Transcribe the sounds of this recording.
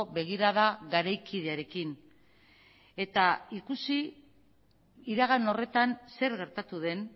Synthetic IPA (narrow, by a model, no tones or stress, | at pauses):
βe̞ɣ̞iɾaðaɣaɾajkiðe̞aɾe̞kin | e̞t̪aikusi | iɾaɣano̞re̞t̪anse̞ɾɣe̞ɾt̪at̪uðe̞n